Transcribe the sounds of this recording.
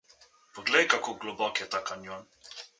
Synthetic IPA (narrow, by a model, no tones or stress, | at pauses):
pɔɡlɛjkakoɡlɔbɔkɛt̪akanjɔn